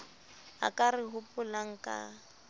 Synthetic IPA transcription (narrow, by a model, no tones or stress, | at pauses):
a̰kʼarɪɦʊpʼʊlaŋ̩kʼa̰